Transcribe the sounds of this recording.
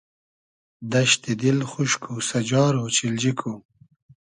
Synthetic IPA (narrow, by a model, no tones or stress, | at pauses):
d̪aʃt̪id̪ilxuʃkʰusad͡ʒɑːɾot͡ʃild͡ʒikʰu